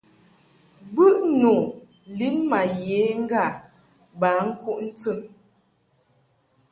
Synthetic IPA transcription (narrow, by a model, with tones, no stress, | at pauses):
bɨ˦ʔnu˨ | li˦nma˨je˨˦ŋ̩˦ɡa˦˨ | ba˨˦ŋ̩˦ku˦ʔn̩˦t͡sɨ˦˨m